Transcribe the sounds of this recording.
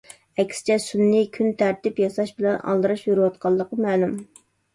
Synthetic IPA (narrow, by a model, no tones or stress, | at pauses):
ɛkʲsɪ̥t͡ʃʰɛsunːɪkʲʰynt̪ʰæɾt̪ɪpjɑsɑʃbɪlɛnʔɑ̰lˠd̪ɨɾɨʃjuɾɨwɑt̪qʰɑlˠːəqəmɛːlum